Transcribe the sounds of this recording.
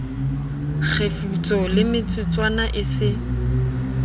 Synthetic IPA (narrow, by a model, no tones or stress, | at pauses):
k͡xʰefut͡sʼɔlɪmɪt͡sʼɪt͡sʼwanaʔɪsɪ